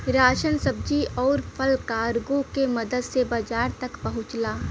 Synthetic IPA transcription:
ɾaːʃənsəb̚d͡ʒiʔɔːɾpʰəlkaːɾɡõkemɐd̪əd̪sebaːd͡ʒaːɾt̪ɐkpɐɦʊ̃t͡ʃlaː

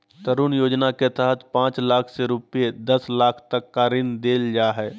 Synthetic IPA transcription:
t̪əɾuːnjoːd͡ʒnaket̪əɦət̪ʰpãːt͡ʃlaːkʰseɾʊpijed̪ɐslaːkʰt̪əkːaɾɪnd̪eːld͡ʒaːɦɛː

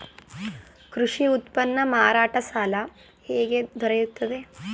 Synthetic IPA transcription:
kɾuʂiut̪pɐnːɐmaːɾaːʈɐsaːlɐ | heːɡed̪ʱɔɾejut̪ːɐd̪e

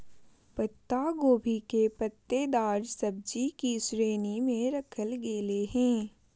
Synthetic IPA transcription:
pət̪ːaɡoːbʱikepət̪ːed̪aːd͡ʒsɐb̚d͡ʒikisɾeːnimẽɾɐkʰəlɡeːleɦɛ̃ː

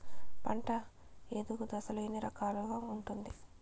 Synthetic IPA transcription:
pɐɳʈɐ | eːd̪uɡud̪ɐsɐluinːiɾɐkaːluɡaːuɳʈund̪i

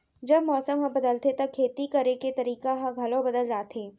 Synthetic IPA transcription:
d͡ʒɐbmɔːsəmɦɐ̃bɐd̪əlt̪et̪ɐkʰːeːt̪ikɐɾeket̪ɐɾiːkaɦãɡʱɐlõbɐd̪əld͡ʒaːt̪ʰeː

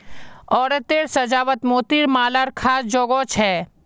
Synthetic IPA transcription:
ɔːɾet̪eːɽsɐd͡ʒaːʋət̪moːt̪iɾmaːləɾkʰaːsd͡ʒoːɡɔːt͡ʃʰɦɛː

